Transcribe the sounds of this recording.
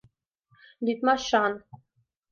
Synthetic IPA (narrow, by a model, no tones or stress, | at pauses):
lʲyt̪mɑʃɑn